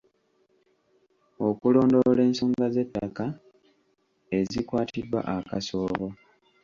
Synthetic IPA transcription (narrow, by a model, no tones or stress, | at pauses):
o̞kulo̞ːndole̞ːnsoːŋɡaze̞tːaka | e̞zikwaːtidwa̰ʔaka̰so̞ːβo̞